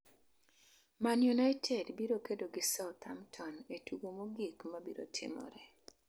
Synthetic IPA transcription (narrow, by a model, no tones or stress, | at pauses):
manjunajtʰɛdbiɾokedoɡɪsaʊt̪ʰa̰mtʰɔnetʰuɡomoɡikmabiɾo̰tʰɪ̰mɔ̰ɾɛ